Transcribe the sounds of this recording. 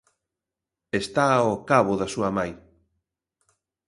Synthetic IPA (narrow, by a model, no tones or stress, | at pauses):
est̪aokaβʊðasuɐmaj